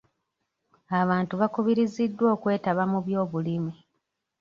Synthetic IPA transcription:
aβaːntuβakuβiɾizidːwo̞ːkwe̞ːtaβamuβjo̞ːβulimi

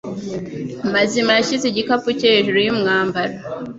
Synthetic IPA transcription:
mazimaʃiziɟikapuceʒuɾujimŋaːmbaɾa

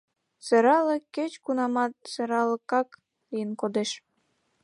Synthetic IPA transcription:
seɾɑləket͡ɕkunɑmɑt̪̚seɾɑləkɑk | lijənkod̪eʃ

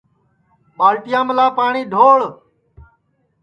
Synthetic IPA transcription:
ɓaːlʈɪjãːməlaːpaːɳĩːɖʱoːɭ

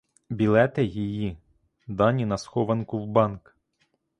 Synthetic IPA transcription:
bʲilˠɛt̪ɛjiji | d̪ɑnʲinɐsxɔʋɐnkʊwbɑnk

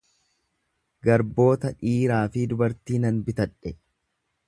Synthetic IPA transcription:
ɡɐɾbo̞ːt̪ɐᶑiːɾaːfɪd̪ʊbɐɾt̪iːnɐnbɪt̪ɐᶑɛ

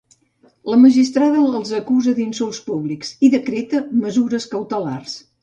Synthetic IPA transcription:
ləməʒist̪ɾaðəːlˠzəkuzəd̪insulˠspuβliksiðəkɾet̪əməzuɾəskəwt̪əlars

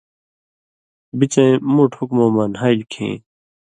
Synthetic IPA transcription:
bit͡ɕẽmuːʈhukmõːmaːnɦailkʰḛ̃ː

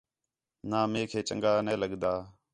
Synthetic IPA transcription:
naːmeːkʰeːt͡ʃə̰ŋɡaːneːləɠd̪aː

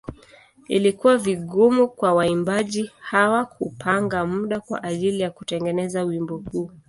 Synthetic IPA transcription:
ḭlikuwaviɠɔmukwawaimbaʄihawakupʰaŋɡamuɗakwa̰ʔaʄilijakutɛŋɡɛnɛzauwimbɔhuː

